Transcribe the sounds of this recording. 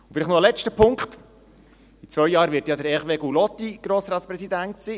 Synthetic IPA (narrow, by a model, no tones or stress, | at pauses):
ʊ̥fɪliχnoəlɛt͡ʃtəpʰʊŋkχt | it͡sʋœjjɑːɾʋɪtjɑdəɾɛχʋeɡulɔtːiɡ̥ɾoːsɾɑːtspɾɛsidæntsiː